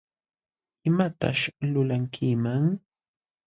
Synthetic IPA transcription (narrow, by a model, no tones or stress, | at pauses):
ɪmat̪a̰ʃlʊlaŋkʰɪmaŋ